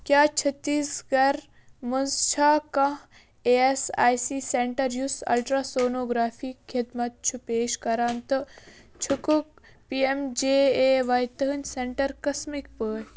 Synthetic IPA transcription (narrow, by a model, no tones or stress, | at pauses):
kʲjaːt͡ʃʰɐt̪ːiːsɡɐɾ | mɐnzt͡ʃʰaːkɐ | eesa̰ːjsiːseɳʈɐɾjusɐ̰lʈɾaːsoːnoːɡɾaːfiːkʰːid̪mɐt̪̚t͡ʃʰupeːʃkɐɾaːnt̪ɨ | t͡ʃʰukuk̚ | piemd͡ʒeːeːʋɐjt̪ɐɦnʲseɳʈɐɾkɐsmik̚pəːj